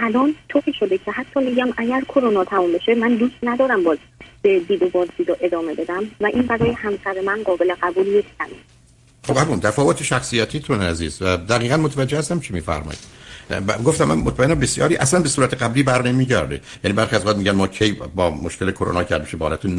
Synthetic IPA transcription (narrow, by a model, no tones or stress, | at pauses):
ʔælɒːnt̪ʰoʔiʃo̞d̪ecʰe̞hæt̪ʰːɒːmiːɡæmʔæɟæɾkʰoɾonɒːt̪ʰæmumbe̞ʃemænd̪uːst̪næd̪ɒːɾæmbɒːz | b̥ed̪iːd̪obɒːzd̪iːd̪ɒːʔe̞d̪ɒːme̞be̞d̪æmvæʔiːnbæɾɒːjehæmsæɾemænɢɒːbeleɣæbuːljecʰt̪ʰæmin | xobæbuːnt̪ʰæfɒːvot̪ʰeʃæxsiːjæt̪ʰiːt̪ʰonææziːzvæd̪æɣiːɣænmot̪ʰævæd͡ʒːehæst̪æmt͡ʃʰimiːfæ̰ɾmɒ̰ːjḭd̪̥ | ɡoft̪æmːæ̰nmot̪ʰmæenːæmbesjɒ̰ːɾiːʔæslænbesuːɾæt̪ʰeɡæbliːbæɾne̞miːɟæ̰ɾd̪ḛjæniːbæɾxiæzoæd̪miɟænmɒːcʰejbɒːmoʃkʰelekʰoɾo̰nɒːkʰæɾd̪meʃebːlæt̪ʰun